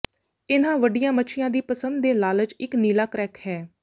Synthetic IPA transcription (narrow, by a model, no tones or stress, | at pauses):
ɪnãːʋəɖijãːmət͡ʃʰɪjãːd̪iːpəsənd̪ːeːlaːlət͡ʃɪkniːlaːkɾɛːkhɛː